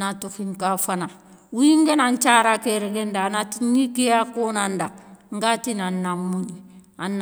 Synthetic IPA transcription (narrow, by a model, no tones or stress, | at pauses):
natukiŋkafana | wujiŋɡenaɲt͡ʃaːɾakeɾeɡendanatiɲikejakoːnandaŋɡatinanːamːunianːa